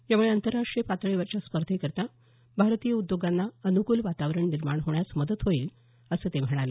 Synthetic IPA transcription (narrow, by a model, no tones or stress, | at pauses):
jamuɭeənt̪əɾːaʂʈɾijəpat̪ɭeʋat͡ɕaspəɾd̪ʱekəɾt̪a | bʱaɾt̪ijəud̪joɡanːaənukuːlʋat̪aʋɾəɳniɾmaɳɦoɳjasməd̪ət̪ɦoiːl | əsəːt̪em̤əɽ̃ale